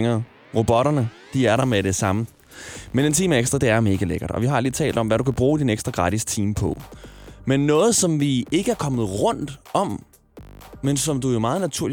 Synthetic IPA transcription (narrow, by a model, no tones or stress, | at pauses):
ŋɐ | ʁob̥ɒ̽ɾɐnə | d̥iæɐɾɑ̈meɾe̝sɑ̈mə | mene̝nt͡sʰḭːməeɡ̥sd̥ʁɐd̥e̝æɐme̝ːɡ̥æleɡ̥ɐd̥ɒ̽ʋiɦɑ̈liːt͡sʰɛ̰ːld̥ɒ̽mʋæɾukʰæb̥ʁuːd̥ineɡ̥sd̥ʁɐɡ̥ʁɑ̈ɾ̥ist͡sʰḭːmpʰɒ̽menːɔ̽ːð̞̩ˠsɒ̽mʋie̝ɡ̥əæɐkʰɒ̽məð̩ˠʁɔ̽n̰d̥ɒ̽m | mensɒ̽md̥ujo̝mɑ̈ːð̞̩ˠnæt͡sʰuɐ̰li